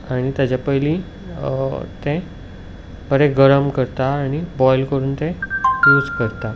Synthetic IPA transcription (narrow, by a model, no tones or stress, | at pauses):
aɽ̃it̪jad͡ʑapəjlĩ | t̪ẽ | bəɾẽɡəɾəmkəɾt̪aːɽ̃ibɔjlkəɾuːnt̪ẽjuːd͡zkəɾt̪a